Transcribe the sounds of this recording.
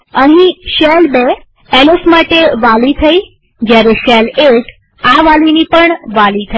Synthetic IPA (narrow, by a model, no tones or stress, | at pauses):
əɦĩʃelbe | elosmaʈeʋalit̪ʰəi | d͡ʒjaɾeʃɛleʈ | aʋalinipəɳʋalit̪ʰə